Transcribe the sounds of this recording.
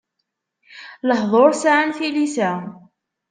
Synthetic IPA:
lɑhðˤoɾˤsaʕnfilisa

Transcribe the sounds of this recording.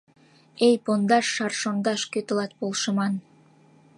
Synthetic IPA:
ejpond̪ɑʃːɑrʃond̪ɑʃkøt̪ə̆lɑt̪̚polˠʃə̆mɑn

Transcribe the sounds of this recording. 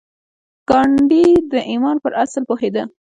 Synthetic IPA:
kɑɳɖid̪əʔimɑnpəɾʔaslpohed̪ə

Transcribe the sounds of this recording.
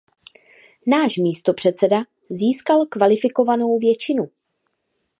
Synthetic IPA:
naːʃmiːst̪o̞pr̥ɛt̪t͡sɛda | ziːskalkvalɪfɪko̞vano̞wvjɛt͡ʃɪnu

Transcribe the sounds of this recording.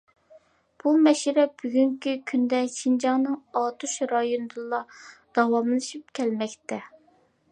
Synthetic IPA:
b̥umɛʃiɾɛb̥yɡʲyŋkʲʰykʲʰynd̪ɛʃind͡ʒɑŋnɨŋɑt̪ʰuʃɾɑjonɨd̪ɨlˠːɑd̪̥ɑwɑmlˠɨʃip̚kʲʰɛlmɛkʲt̪ɛ

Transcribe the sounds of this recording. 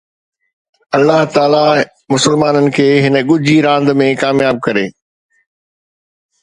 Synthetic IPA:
ɐlːaɦt̪aːla | mʊsəlmaːnənɪ̆kʰeːɦɪnə̆ɠʊd͡ʑʱiɾãːnd̪mẽkaːmjaːb̚kɐɾeː

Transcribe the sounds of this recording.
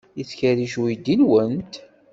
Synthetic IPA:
iθçəɾiʃuid̪ːinwənt̪

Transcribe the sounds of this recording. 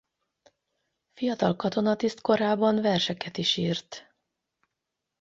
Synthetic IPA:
fijɒt̪ɒlkɒt̪o̞nɒt̪ist̪ko̞ɾaːbɒnvɛrʃɛkɛt̪iʃiːrt̪

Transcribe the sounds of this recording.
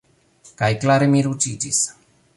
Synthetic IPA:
kajklaɾemiɾut͡ʃid͡ʒis

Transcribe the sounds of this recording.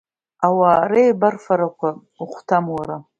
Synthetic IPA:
awaːɾejbarfaɾakʷʰa | uχʷtʰamwaɾa

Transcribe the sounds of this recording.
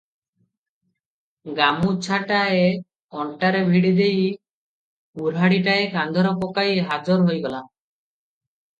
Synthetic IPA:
ɡamut͡ʃʰaʈae | ɔɳʈaɾebʱiɽid̪ej | uɾɦaɽiʈaekand̪ʱɔɾɔkɔkajɦad͡ʒɔɾɦojɡɔla

